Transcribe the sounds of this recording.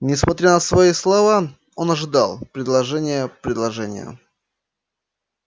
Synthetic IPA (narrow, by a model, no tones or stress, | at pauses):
nʲɪsmɐt̪ɾʲanəsvɐislˠɐva | onɐʐɨd̪ɑlˠpɾʲɪd̪lˠɐʐɛnʲɪjəpɾʲɪd̪lˠɐʐɛnʲɪ̰jə̰